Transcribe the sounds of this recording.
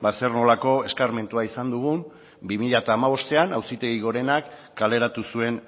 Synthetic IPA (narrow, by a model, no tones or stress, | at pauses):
baserno̞lako̞e̞skaɾme̞nt̪uaisand̪uɣ̞um | bimiʎat̪aːmaβo̞st̪e̞anawsit̪e̞ɣiɣo̞ɾe̞nakː | ale̞ɾat̪usue̞n